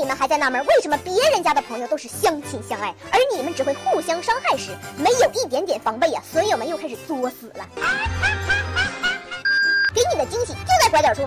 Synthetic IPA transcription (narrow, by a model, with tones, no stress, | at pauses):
i˨˩mə˧˦nxa˧˥ɪt͡sa˥˧ɪna˥˩mjə˧˥we˥˩ɪʂə˧˥nmə˧pjɛ˧˥ɻə˧˥nt͡ɕja˥d̪ə˨pʰɤ˧˥ŋjo˧t̪o˥ʊʂɻ̩˥˩ɕjɑ˥ŋt͡ɕʰi˥˩nɕjɑ˥ŋa˥˩ɪə˞˧˥ni˨˩mə˦nʈ͡ʂɻ̩˨˩xwe˥˧ɪxu˥˩ɕjɑ˥ŋʂɑ˥ŋxa˥˩˧ɪʂɻ̩˨˧˩me˧˥ɪjo˨˩ʊi˥˩t̪̬jɛ˧˥nt̪jɛ˨˩nfɑ˧˥ŋpe˥˩ɪɐ̰˩swɔ˧˥jo˨˩mə˧˦njo˥˧kʰa˥ɪʂɻ̩˨˩t͡swɔ˥˩sɹ̩˨˩lə̰˦ | ke˧˥ɪni˨˩d̪ə˦t͡ɕi˥ŋt͡ɕʰi˨˩t͡ɕjo˥˧t͡skwt̪jɑ˨˩ʈ͡ʂʰu˥